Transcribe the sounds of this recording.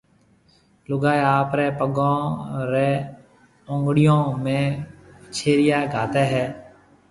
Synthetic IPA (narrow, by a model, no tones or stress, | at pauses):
lʊɡaːeaːpɾɛːpəɡõːɾɛː | õŋɡɽɪjõːmẽːt͡ʃʰeːɾɪjaːɡʱaːt̪eːɦɛː